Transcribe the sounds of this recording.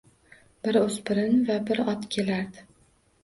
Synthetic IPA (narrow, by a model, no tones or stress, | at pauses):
bɪɾɵzpɪɾɪnvabɪɾɒt̪kʲʰe̞laɾd̪ɪ